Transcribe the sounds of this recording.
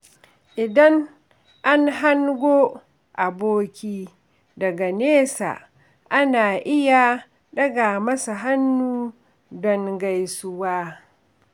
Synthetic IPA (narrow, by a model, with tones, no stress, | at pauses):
ʔɪ˨dɐ˦n | ʔa˦nɦa˦ŋɡʷoː˦ | ʔa˨boː˦kʲiː˦ | dɐ˨ɡa˨neː˦sa̰˨ | ʔa˦naː˨ʔɪ˦ja˨ | ɗɐ˦ɡa˨mɐ˦sa˨ɦa˦nːuː˦ | dɔ˦ŋɡa˦jsʊ˦waː˦